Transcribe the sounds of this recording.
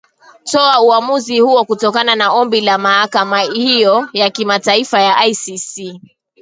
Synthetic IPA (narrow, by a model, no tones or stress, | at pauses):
tɔauamuzihuɔkutɔkananaɔmbilamahakamahijɔjakimataifajaʔajsisi